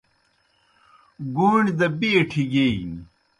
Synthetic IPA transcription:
ɡuɳʲd̪ɐbieʈʰiɡein

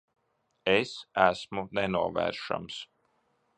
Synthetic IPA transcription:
esæsmunɛnuɔvɛ̰ːɾʃa̰ms

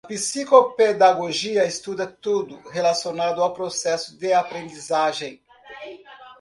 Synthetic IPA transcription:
ɐɐpisikoped̪aɡoʒiɐest̪ud̪ɐt̪ud̪ʊɦelasjonad̪ʊawpɾosɛsʊd̪ɪapɾẽnd̪izaʒẽj̃

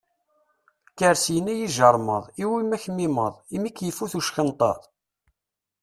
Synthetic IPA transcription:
kəɾsjənæjiʒəɾˤmə̰ðˤiwimːæçmiməðˤimikːjəfːuθuʃxənt̪ˤɑ̰ɾˤ

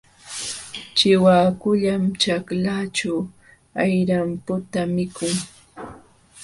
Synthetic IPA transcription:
t͡ʃɪwaːkʊʎamt͡ʃaklat͡ʃaw | ajɾampʊt̪amɪkʊŋ

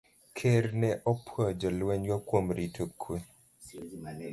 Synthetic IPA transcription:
kʰeɾnɛʔɔpʰwɔd͡ʒɔlwɛɲɡakwomɾitʰokʰwe

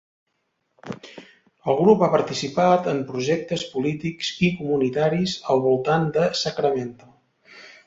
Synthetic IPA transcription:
əlˠɣɾupapəɾt̪isipat̪əmpɾuʒɛk̚t̪əspulit̪ikz̥ikumunit̪aɾizəlˠβulˠt̪and̪əsəkɾəment̪u

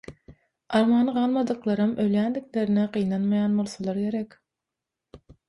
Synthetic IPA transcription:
ɑɾmɑːnɯʁɑlˠmɑd̪ɯqlˠɑɾɯmøljænd̪ikle̞ɾineqɯjnɑnmɑjɑːnbo̞lˠθɑlˠɑɾɡʲe̞ɾekʲ

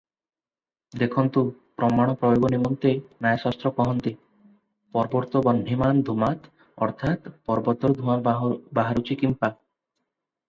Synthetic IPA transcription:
d̪ekʰɔnt̪upɾɔmaɽ̃ɔpɾɔjoɡɔnimɔnt̪enajasast̪ɾɔkɔɦɔnt̪e | pɔɾɔbɔɾt̪ɔbɔnɖʱimand̪ʱumat̪ | ɔ̰ɾt̪ʰat̪pɔɾbɔt̪ɔɾd̪ʱumabaɦaɾut͡ʃʰikimpa

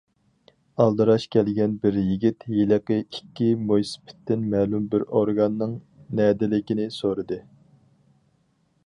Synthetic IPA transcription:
ɑlˠd̪ɨɾɑʃkʲʰɛlɡʲɛnbɪɾjiɡʲit̪jelɪqɨikʲːimojspʰɪ̥t̪ːɪnmɛlumbɪɾoɾɡɑnːɨŋ | nɛːd̪ɪlɪkʲinɪsoɾɨd̪ɨ

